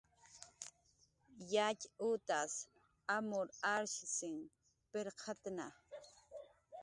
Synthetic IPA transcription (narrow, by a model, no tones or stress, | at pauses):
jacʊt̪as | amʊɾaɾʃsɪŋ | peɾqʰat̪na